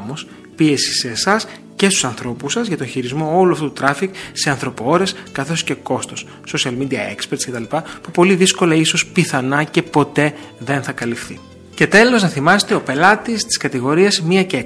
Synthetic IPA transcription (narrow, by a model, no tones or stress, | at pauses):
mos | pie̞si̥seːsɐs | ce̞st̪u̥sɐnθɾo̞pusɐzʝɐt̪o̞ɲçiɾizmo̞o̞luɐft̪ut̪ut̪ɾɐfikse̞ɐnθɾo̞poo̞ɾe̞skɐθo̞sce̞ko̞st̪o̞sːo̞siɐlmid̪iɐe̞̰kspeɾt̪sce̞t̪ɐlipɐpupo̞liðisko̞lɐiso̞spiθɐnɐce̞po̞t̪e̞ðe̞nθɐkɐlifθi | ce̞t̪e̞lo̞znɐθimɐset̪e̞o̞pe̞lɐt̪ist̪i̥skɐt̪iɣo̞ɾiɐzmiɐce